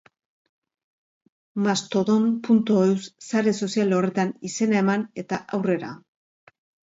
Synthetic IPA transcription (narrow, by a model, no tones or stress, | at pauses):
mast̪o̞ðompunt̪oewssaɾe̞so̞sijalo̞re̞t̪anise̞nae̞mane̞t̪aʔawre̞ɾa̰